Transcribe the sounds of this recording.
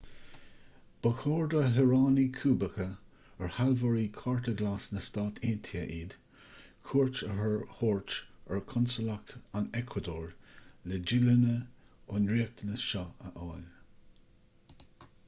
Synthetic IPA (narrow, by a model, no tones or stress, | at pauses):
b̥əkʰoːɹd̪əɦɛɹɑːnikʰuːbəkə | əɹhalvɔɹikʰɑɹtəɡlaːsnəst̪aːt̪ʰent̪ʰiəʔiːd̪̥ | kʰuːɹt͡ʃəɦəɹhoːɹt͡ʃəɹkʰɔnsəlak̚t̪anɛkʰwad̪oːɹlɛd͡ʒɪlənəʊnɹiːək̚t̪ʰənəʃɑəʔɑːl